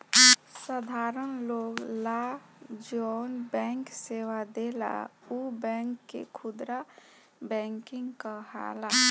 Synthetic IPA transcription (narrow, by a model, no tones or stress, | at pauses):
səd̪ʱaɾənloɡlad͡ʒonbɛ̃ŋksewad̪ela̰ubɛ̃ŋkːḛkʰud̪ɾa | bɛŋkiŋɡkəɦa̰la